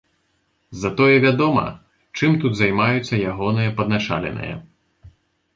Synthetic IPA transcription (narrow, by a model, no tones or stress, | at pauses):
zɐt̪ɔjɛvʲad̪ɔmɐ̰ | t͡ʂɨmt̪ut̪zajmajut̪sːɐjaɣɔnɨjɐpɐd̪nat͡ʂa̰lʲɛ̰nɨ̰jɐ̰